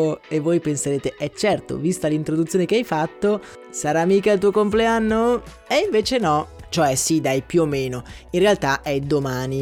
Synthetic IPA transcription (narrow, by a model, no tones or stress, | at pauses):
evːojpenseɾeːt̪eʔɛt͡ʃːɛrt̪o̰vist̪alint̪ɾod̪ut̪sjoːnekeajfat̪ːo | saɾaːmiːkalt̪̬uːokompleanːo | eiɱveːt͡ʃenɔt͡ʃoɛsid̪ajpjuomːeːnoinrealt̪aʔɛd̪omaːni